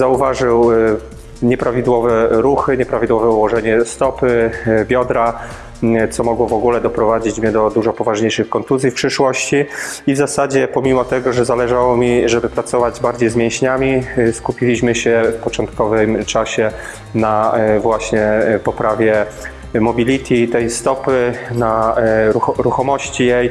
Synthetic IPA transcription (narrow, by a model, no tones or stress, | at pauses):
zauvaʐɘw | ɲɛpɾavʲid̪wɔvɛɾuxɘɲɛpɾavʲid̪wɔvɛuwɔʐɛɲɛst̪ɔpɘbʲjɔd̪ɾa | t̪sɔmɔɡwɔvɔɡulɛd̪ɔpɾɔvad͡ʑit͡ɕmɲɛd̪ɔd̪uʐɔpɔvaʐɲejʂɘxkɔnt̪uzʲjifpʂɘʂwɔɕt͡ɕiivzasad͡ʑɛpɔmʲimɔt̪ɛɡɔʐɛzalɛʐawɔmʲiʐɛbɘpɾat̪sɔvad͡ʑbaɾd͡ʑejzmʲjẽɕɲamʲiskupʲilʲiɕmɘɕɛfpɔt͡ʂɔnt̪̚kɔvɘmt͡ʂaɕɛ | navwaɕɲɛpɔpɾavʲjɛ | mɔbʲilʲit̪ʰʲit̪ɛjst̪ɔpɘnaɾuɾuxɔmɔɕt͡ɕijɛj